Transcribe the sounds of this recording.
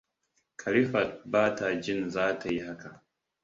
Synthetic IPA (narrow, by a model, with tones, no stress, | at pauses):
kʰɐ˨ɾi˦fɐ˨t̚baː˦tʰa˨d͡ʒɪ˦nzaː˦tʰa˨ji˦ɦa˦ka˨